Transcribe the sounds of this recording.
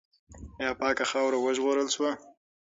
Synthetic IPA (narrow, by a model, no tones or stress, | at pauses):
jɑpɑːkaxɑwɾawəʒɣoɾəlʃwa